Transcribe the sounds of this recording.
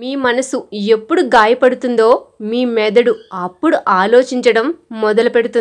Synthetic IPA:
miːmɐnɐsue̞pːuɽuɡaːjɐpɐɽut̪und̪o̞ːmiːmɛːd̪ɐɽuɐpːuɽuʔaːlo̞ːt͡ʃiɲt͡ʃɐɽɐmːɔd̪ɐlupe̞ɽut̪und̪i

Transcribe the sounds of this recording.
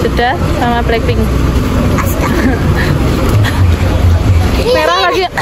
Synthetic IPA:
dəd̥a | samablɛkɪŋ | meɾalaɡi

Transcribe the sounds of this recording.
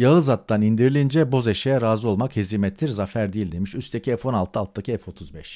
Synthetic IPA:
jaɯzat̪ːanind̪iɾilʲind͡ʒɛbo̞zeʃejɛɾaːzɯo̞lˠmakheziːmɛt̪ʰːiɾzafæɾd̪ijilʲd̪emiʃyst̪ʰecʰiɛfo̞nalˠt̪ʰːɯalt̪̚ːd̪akcʰiɛfo̞t̪ʰuzbɛʃ

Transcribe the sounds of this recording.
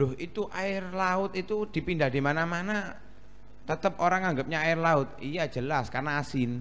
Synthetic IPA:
lʊɦit̪uʔaɪrlaʊt̪it̪ud̪̥i̤pindahd̥̪i̤manamana | t̪ət̪əp̚oɾaŋaŋɡəp̚ɲaaɪrlaʊt̪̚ijḁʒ̥əlaskarnaːsɪn

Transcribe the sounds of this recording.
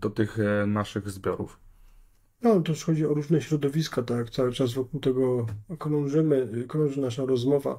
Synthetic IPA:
d̪ɔt̪ɘxnaʂɘɣzbʲjɔɾuf | nɔt̪ɛʂxɔd͡ʑiɔɾuʐnɛɕɾɔd̪ɔvʲiskat̪akt̪sawɘt͡ʂazvɔkuwt̪ɛɡɔkɾɔ̃ʐɘmɘkɾɔ̃w̃ʐɨnaʂaɾɔzmɔva̰

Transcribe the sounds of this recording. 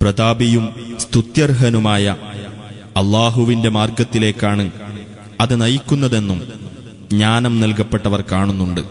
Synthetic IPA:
prɐd̪aːbijumst̪ut̪jɐrɦɐnumaːjɐ | ɐlːaːɦuʋinde̞maːrɡɐt̪ːile̞ːkːaːɳɨ | ɐðɨnɐjikʲːunːɐðe̞nːum | ɲaːnɐmnelkɐpːe̞ʈːɐʋɐrkaːɳunːuɳɖɨ

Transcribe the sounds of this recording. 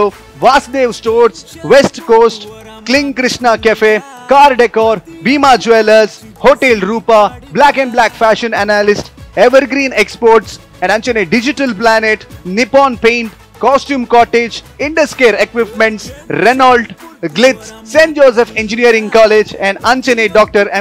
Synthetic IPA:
o | ʋaːsɖ̪eːʋsʈoːɾsʋesʈkoːsʈklɪ̃ŋkɾɪʃnakefe | kaːɾɖekɔːɾbiːmad͡ʒeləɾz | hoːʈeːlɾuːpablækɛ̃ɳɖblæːkfæʃə̃nænalɪsʈeʋəɾɡɾĩːnekspɔːɾʈs | ɛ̃ɳɖɐ̃nt͡ʃeneɖɪd͡ʒɪʈəlplæneʈnɪpɔ̃ːnpẽːɳʈ | kɔsʈjũːmkɔːʈed͡ʒ | ɪ̃ɳɖəskeːɾekʋɪpmẽɳʈsɾɛnalɖɡlɪt̪sːẽːnd͡ʒoːsefẽnd͡ʒɪniəɾɪ̃ŋkɔːled͡ʒɛ̃ɳɖãnt͡ʃeneɖɔːk̚ʈəɾɛ̃

